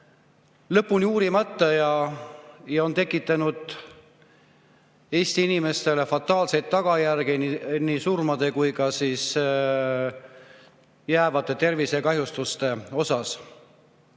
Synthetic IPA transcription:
lɤpːunjuːɾimɑt̪ːɑjɑ | jɑo̞nt̪e̞kːˑit̪ːˑɑnud̪̥ | e̞ːst̪iinime̞st̪e̞le̞fɑt̪ːˑɑːlse̞jt̪̚t̪ːɑɡ̥ɑjærɡinnisurmɑd̪̥e̞kujkɑsiːs | jæːvɑt̪ːˑe̞t̪e̞rvise̞kɑɦjust̪ust̪e̞o̞sɑs

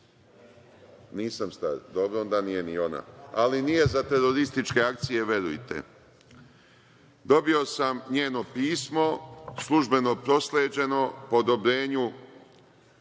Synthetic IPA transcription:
niːsamst̪a̰ɾd̪o̞bɾoond̪anije̞nio̞na̰alinije̞zat̪e̞ɾo̞ɾist̪it͡ʃke̞akt̪sije̞ʋje̞ɾṵjt̪ḛ | d̪o̞bio̞samɲe̞ːno̞piːsmo̞slˠuʒbe̞no̞pɾo̞sleːd͡ʑe̞no̞pood̪o̞bɾe̞ːɲu

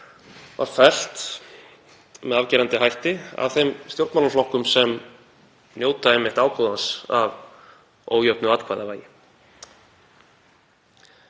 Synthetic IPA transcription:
va̰ɾ̥fɛl̥t̪ | mɛðavcɛːɾant̪ɪhajht̪ɪa̰vθejmst̪jowɾt̪malaɾflɔhkʏmsɛm | njoːwt̪aejmːɪht̪aːwkʰowðansa̰v | o̰ːwjœpnʏat̪kʰvaːjðavaːjɪ

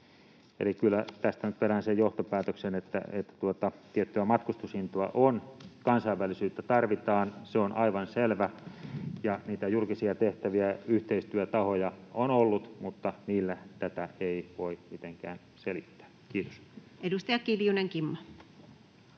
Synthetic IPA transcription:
ḛlikylːæt̪æst̪ænyt̪pelænsejjoht̪opæːt̪øksenet̪ːæ̰ḛt̪ːæ̥t̪uot̪ɑt̪iet̪ːyæmɑt̪kust̪ushint̪oɑ̰ʔonkɑnsɑiʋːælːˑisyːt̪ːæt̪ɑrʋit̪ɑːnseonʔɑiʋɑnselʋæ | jɑniːt̪æjulkisiɑt̪eht̪æʋiæyht̪eist̪yæt̪ɑhojɑonolːut̪mut̪ːɑniːlːæt̪æt̪æeiʋoimit̪eŋkæ̰ːn | selit̪ːæ̥ː | kiːt̪o̥s | edust̪ɑjɑkiljuneŋkimːɑ

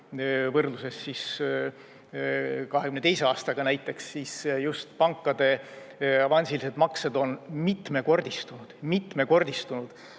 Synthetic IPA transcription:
vɤrd̪luse̞sːis | kɑɦekymnet̪e̞jse̞ɑːst̪ɑɡ̥ɑnæjt̪ːˑe̞ksːisjust̪pɑŋkːˑɑd̪̥e̞ | ɑvɑnʲsilise̞d̪mɑksed̪̥o̞nmit̪me̞ko̞rd̪̥ist̪unud̪̥mit̪ːˑme̞ko̞rd̪̥ist̪unud̪̥

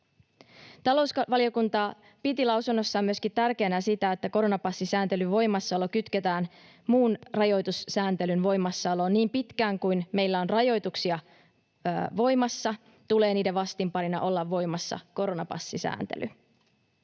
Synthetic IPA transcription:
t̪ɑlo̞wsʋɑlio̞kunt̪ɑ | pit̪ilɑwsunːo̞sːɑːmyøskit̪t̪ærkenæsit̪æet̪ːæko̞ɾo̞nɑpɑsːisæːnt̪e̞lyʋo̞jmɑsːɑlo̞kyt̪ket̪æːn | muːnrɑjo̞jt̪ussæːnt̪e̞lynʋo̞jmɑsːɑlo̞ːnniːmpit̪kæːŋkujnme̞jlːæo̞nrɑjo̞jt̪uksiɑ | ʋo̞jmɑsːɑ | t̪ule̞ːniːdeʋɑst̪impɑɾinɑ̰ʔo̞lːɑʋʋːo̞jmɑsːɑ̰ko̞ɾo̞nɑpɑ̰sːisæ̰ːnt̪ḛlʔy̰

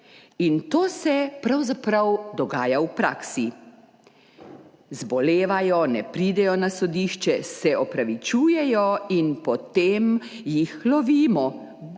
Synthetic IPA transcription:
int̪oːsɛpɾawzapɾawd̪ɔɡaːjawpɾaːksi | zbɔleːʋajɔnɛpɾiːd̪ɛjɔnasɔd̪iːʃt͡ʃɛsɛʔɔpɾaʋit͡ʃuːjɛjɔinpɔt̪em | jixlɔʋiːmɔ

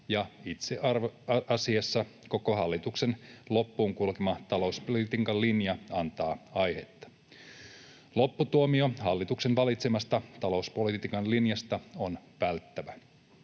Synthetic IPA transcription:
jɑit̪seʔɑrɑsiɑsːɑko̞ko̞ɦɑlːit̪ukse̞nlo̞pːuːŋkulkemɑt̪ɑlo̞uspolit̪iːkɑlːinjɑɑnt̪ɑːɑjhe̞t̪ːɑ̥ | lo̞pːut̪uomio̞hɑlːit̪ukse̞nʋɑlit̪semɑst̪ɑt̪ɑlo̞uspolit̪iːkɑnlinjɑst̪ɑo̞nʋælt̪ːæʋæ

